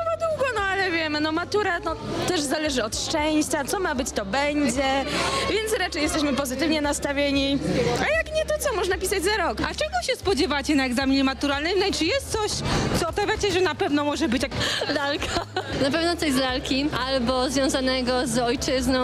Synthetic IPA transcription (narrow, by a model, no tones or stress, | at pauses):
ɔvad̪wuɡɔnɔalɛvʲjɛmɘnɔmat̪uɾanɔt̪ɛʐzalɛʐɘɔt̪ʂt͡ʂɛw̃ɕt͡ɕat̪sɔmabɘt͡ɕt̪ɔbɛɲd͡ʑɛvʲjɛnt̪sɾat͡ʂɛjɛst̪ɛɕ̬mɘpɔzɘt̪ɘvɲɛnast̪avʲjeɲiajakɲɛt̪ɔt̪sɔmɔʐnapʲisad͡ʑzaɾɔkat͡ʂɛɡɔɕɛspɔd͡ʑɛvat͡ɕɛnaɛɡzamʲiɲɛmat̪uɾalnɨmnait͡ʂɨjɛst̪̚sɔɕt̪sɔːpavʲjat͡ɕɛʐɛnapɛvnɔmɔʐɛbɘt͡ɕaklalkʰanap̬ɛvnɔt̪sɔjzlalkʲiʔalbɔzvʲjɔ̃w̃zanɛɡɔzɔjt͡ʂɘznɔ̃